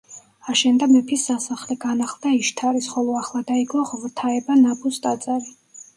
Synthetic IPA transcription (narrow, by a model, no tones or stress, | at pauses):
aʃɛnd̪amɛpʰisːasaχlɛɡanaχlˠd̪aiʃt̪ʰaɾisχɔlˠɔaχlˠad̪aiɡlˠɔʁvt̪ʰaɛbanabʰʼust̪ʼat̪sʼavi